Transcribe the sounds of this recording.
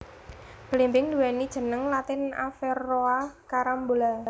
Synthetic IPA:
b̥əlimbɪŋd̪uwɛnid̥ʒ̥ə̤nəŋlat̪ɪna̰fɛroakaɾambola

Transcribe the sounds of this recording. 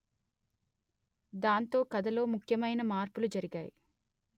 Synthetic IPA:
d̪aːnt̪o̞ːkɐd̪ɐlo̞ːmukʰjɐmɐjnɐmaːɾpulud͡ʒɐɾiɡaːji

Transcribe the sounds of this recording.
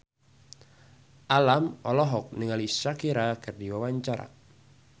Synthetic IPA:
ʔalamɔlɔɦɔk̚niŋalisakiɾakɨrdiwawaɲt͡ʃaɾa̰

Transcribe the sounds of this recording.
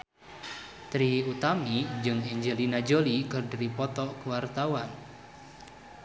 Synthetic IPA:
t̪ɾiut̪amid͡ʒɨŋiɲd͡ʒəlinad͡ʒolikərdɾipɔt̪ɔkuwart̪awan

